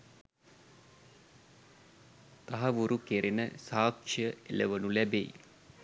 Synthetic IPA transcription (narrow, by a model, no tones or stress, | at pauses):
t̪aɦɐʋuɾukeɾenəsaːkʂijəḛləʋənulæbejḭ